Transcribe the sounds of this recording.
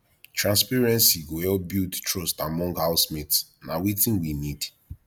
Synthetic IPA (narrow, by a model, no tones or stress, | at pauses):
tɹãnspɛɹɛ̃nsiɡoɛlbidtɹɔstamɔ̃ŋɡhaʊsmitsnawitĩnwinid